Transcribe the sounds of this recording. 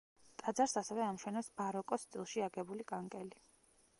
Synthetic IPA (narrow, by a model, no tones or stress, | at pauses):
t̪ʼad̪zaɾsasɛvɛamʃwɛnasbaɾɔkʼɔst̪ʼḭlˠʃiaɡɛbulikʼaŋkʼɛli